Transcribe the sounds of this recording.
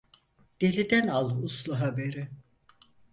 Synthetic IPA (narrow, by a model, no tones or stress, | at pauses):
d̪̥elʲid̪ænalˠuslˠuɦabeɾɪ